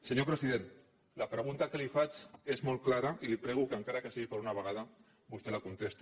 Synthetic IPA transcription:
səɲopɾəsziðen | lapɾəɣ̞unt̪akəlifat͡ʃezmolklaɾaʔilipɾɛɣ̞ukaŋkaɾakəsiɣipəɾunaβ̞əɣ̞að̞a | bust̪elakunt̪est̪i

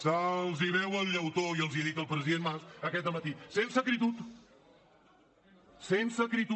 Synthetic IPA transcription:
səlˠziβɛwəlˠʎəwt̪oiəlˠziðit̪əlˠpɾəziðenmmasəkɛt̪d̪əmət̪isensəkɾit̪ut̪ | sensəkɾit̪

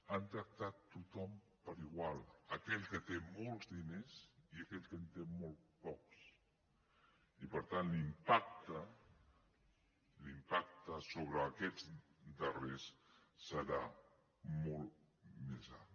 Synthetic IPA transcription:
ant̪ɾək̚t̪at̪ːut̪ɔm | pəɾiɣwalˠəkɛʎkət̪emɔlˠzðineziəkɛʎkənt̪emɔlˠt̪pɔks | ipəɾt̪anlimpak̚t̪ə | limpak̚t̪əsoβ̞ɾəːkɛd͡zd̪əresːəɾa | mɔlˠt̪ | meza̰l

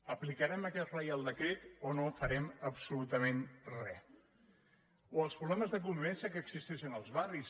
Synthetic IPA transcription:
əplikəɾɛməkɛt̪rəjalˠd̪əkɾet̪onofəɾɛməpsulut̪əmenrɛ | oəlˠspɾuβlɛməzðək̬umβɛnsəkəːksist̪ɛʃinəlˠzβaris

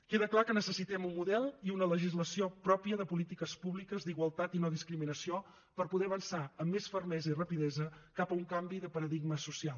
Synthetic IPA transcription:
keðəklakənəsəsit̪ɛmumːuðɛlˠiunələʒizləsiopɾɔpiəðəpulit̪ikəspuβlikəzd̪iɣwəlˠt̪at̪inoðiskɾiminəsio | pəɾpuðɛəβənsaəmːesfərmɛzəirəpiðɛzəkapəuŋkambiðəpəɾəðiɡməsusialˠ

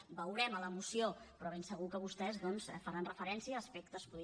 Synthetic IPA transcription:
bəwɾɛmələmusiopɾɔβ̞ensəɣ̞ukəβust̪ɛzðɔnsfəɾanrəfəɾɛnsiəːspekt̪əspuð

